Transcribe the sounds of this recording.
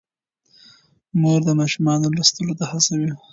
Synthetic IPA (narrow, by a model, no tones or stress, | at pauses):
moɾd̪əmɑʃumɑnolast̪əlot̪ahasawi